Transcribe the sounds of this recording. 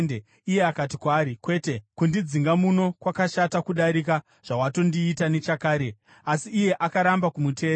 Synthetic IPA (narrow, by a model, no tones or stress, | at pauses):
de | ije̞akat̬ikwaːɾikwe̞te̞kundid͡ziŋɡamuno̞kwakaʃatakuɗaɾika | ʐ̥awato̞ndiːtane̞t͡ʃakaːɾe̞ | asiːje̞ʔakaɾambakumutʰe̞ː